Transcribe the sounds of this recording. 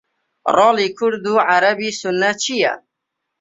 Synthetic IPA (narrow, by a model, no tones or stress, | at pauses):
ɾˤɑːliːkʰʊɾd̪uʕaɾabiːsʊnːat͡ʃʰija̰